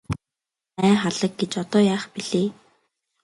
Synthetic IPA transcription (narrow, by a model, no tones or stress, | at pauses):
æːχaɮə̆k̚ɡet͡ɕɔt̪ɔːjaːχpiɮ̥eː